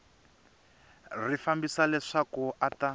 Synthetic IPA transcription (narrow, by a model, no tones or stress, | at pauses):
rifambisalɛʂakuʔata